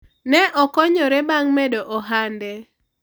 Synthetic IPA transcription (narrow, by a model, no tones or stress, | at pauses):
nɛʔɔkɔɲɔɾɛbaŋmɛdɔʔɔɦandɛ